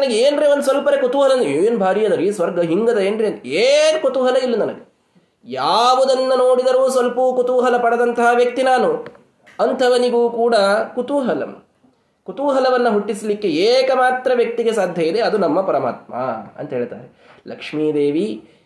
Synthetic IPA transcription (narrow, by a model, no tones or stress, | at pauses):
ɐnɐɡeeːnɾeond̪sʋɐlpɐɾekut̪uɦɐlɐnd̪enbʱaːɾijɐd̪ɐɾisʋɐɾɡɐɦiŋɡɐd̪ɐeːnɾenenkut̪uɦɐlɐilːinɐnɐɡe | jaːʋud̪ɐnːɐnoːɽid̪ɐɾuːsʋɐlpuːkut̪uɦɐlɐpɐɽɐd̪ɐnt̪ɐɦaʋjɐk̚t̪inaːnu | ɐnt̪ʰɐʋɐniɡuːkuːɽɐkut̪uːɦɐlɐ̰m | kut̪uːɦɐlɐʋɐnːɐɦuʈːislikːe̞eːkɐmaːt̪ɾɐʋjɐk̚t̪iɡe̞saːd̪ʱjɐid̪e̞ɐd̪unɐmːɐpɐɾɐma̰ːt̪̚mɐ̰ɐ̰nt̪ɐɦeːɭt̪a̰ːɾe | lɐkʂmiːd̪eːʋi